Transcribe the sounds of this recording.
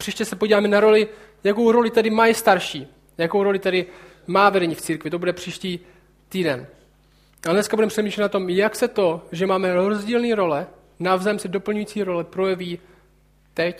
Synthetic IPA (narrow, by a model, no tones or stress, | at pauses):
r̥iːʃcɛsɛpoɟiːvaːmɛnaɾo̞lɪ | jakowɾo̞lɪt̪ɛdɪmajist̪aɾʃiː | jakowɾo̞lɪt̪ɛdɪ | maːvɛdɛɲiːft͡siːɾkvɪt̪o̞budɛpr̝̥iːʃciː | t̪iːdɛn | ʔadnɛskabudɛmpr̥ɛmiːʃlɛt̪nat̪o̞mjaksɛt̪o̞ʒɛmaːmɛɾo̞zɟiːlniːɾo̞lɛ | navzɛmsɛdo̞pl̩ɲujiːt͡siːɾo̞lɛpɾo̞jɛviː | t̪ɛc